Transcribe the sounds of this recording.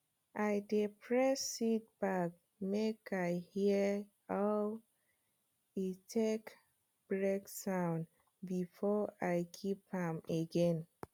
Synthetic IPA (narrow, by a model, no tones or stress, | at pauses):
ʔaɪdipʰɹɛsit̚b̥ak̚ | mekaɪhi | a | itʰek | b̥ɹeksãʊ̃n | bifɔajkʰipãmeɡɛ̃n